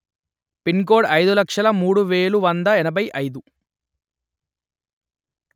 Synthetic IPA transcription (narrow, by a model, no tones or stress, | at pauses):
pinɡoːɽɐjd̪ulɐkʂɐlɐmuːɽuʋeːɭuʋɐnd̪ɐɛnɐbɐjʔɐjd̪u